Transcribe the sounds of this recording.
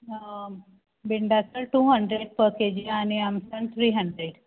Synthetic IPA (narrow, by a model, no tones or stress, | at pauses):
biɳɖasəɾʈuːɦəɳɖɾeɖpəked͡ʑiañiamsə̃ɳt̪ʰɾiːɦəɳɖɾeɽ